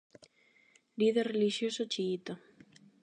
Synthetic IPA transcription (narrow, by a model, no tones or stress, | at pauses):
liðerreliʃjosot͡ʃiːt̪o